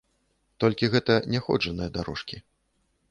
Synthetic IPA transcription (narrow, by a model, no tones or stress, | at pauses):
t̪ɔlʲkʲiɣɛt̪ɐnʲɛxɔ̰d͡ʐɐnɨjɐd̪aɾɔʂkʲi